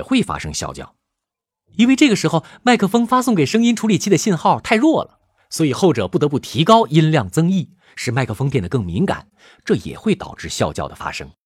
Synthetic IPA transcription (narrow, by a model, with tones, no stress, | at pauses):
xwe˥˩ɪfa̰˥ʂɤ̰˥ŋɕjɑ̰˥˧ʊt͡ɕjɑ̰˥˩ʊ | i˥nwe˥˧ɪʈ͡ʂɤ˥˩ɡə˩ʂɻ̩˧˥xo˧ʊma˥˧ɪkʰɤ˥˩fɤ˥ŋfa˥sʊ˥˩ŋke˨˩ɪʂɤ˥ŋi˥nʈ͡ʂʰu˧˥li˨˩t͡ɕʰi˥d̪ə˩ɕi˥˧nxɑ˥˧ʊt̪ʰa˥˧ɪɻwɔ˥˩lə̰˩ | swɔ˧˥i˨˩xo˥˩ʊʈ͡ʂɤ˨˩pu˥˩ɤ˧˥p̬u˥˩t̪ʰi˧˥kɑ˥ʊʔi˥nljɑ˥˩ŋt͡sɤ˥ŋi˥˩ | ʂɻ̩˥˩ma˥˧ɪkʰɤ˥˩fɤ˥ŋpjɛ˥˩nd̪ə˩kɤ˥˩ŋmi˧˥ŋka̰˨˩˦n | ʈ͡ʂɤ˥˩jɛ̰˨˩xwe˥˩ɪt̪ɑ̰˨˩ʊʈ͡ʂɻ̩˥˧ɕjɑ˥˧ʊt͡ɕjɑ˥˩ʊd̪ə˩fa̰˥ʂɤ̰˥ŋ